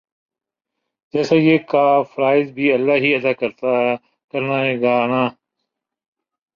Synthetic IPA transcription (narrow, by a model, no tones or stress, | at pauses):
d͡ʒɛːsaːjeːkaːfəɾaːɪzbʱiːəlːaːɦiːəd̪aːkəɾt̪aːɦɛ | kəɾnaːeːɡaːnãː